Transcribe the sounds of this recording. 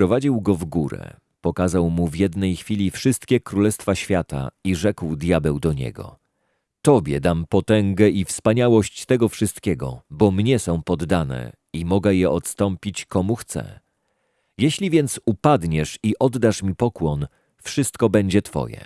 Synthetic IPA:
pɾɔvad͡ʑiwɡɔvɡuɾɛ̰ | pɔkazawmuvʲjɛd̪nɛjxfʲilʲifʂɘst̪kʲɛkɾulɛst̪faɕfʲjat̪a̰iʐɛkwd̪jabɛwd̪ɔɲɛ̰ɡɔ̰ | t̪ɔbʲjɛ̰d̪ampɔt̪ɛŋɡɛʔifspaɲawɔɕt͡ɕt̪ɛɡɔfʂɨst̪kʲɛɡɔ̰bɔmɲɛsɔ̃w̃pɔd̪ːanɛ̰ | imɔɡɛjɛʔɔt̪st̪ɔmpʲit͡ɕkɔmuxt̪sɛ̰ | jɛɕlʲivʲjɛnt̪supad̪ɲɛʂiʔɔd̪ːaʂmʲipɔkwɔn | fʂɘst̪kɔbɛɲd͡ʑɛt̪fɔ̰jɛ̰

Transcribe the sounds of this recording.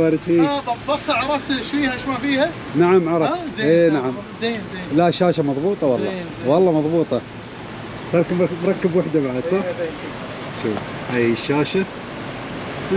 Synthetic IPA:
wɑːɾˤɪd̪fiːt̪ˤɑbːɑqt̪aʕɑɾˤɑft̪ʃwiːhaʃmafiːha | naʕamʕɑɾˤɑfeːnaʕamzenelaʔʃːaːʃamɑðˤbuːt̪ˤɑwɑlˤːɑ | wɑlˤːɑːmɑðˤbuːt̪ˤɑ | t̪ɑɾˤkmɾˤɑkːabwaħd̪abaʕad̪sˤɑħ | ʃuːf | ʔajəʃːaːʃa

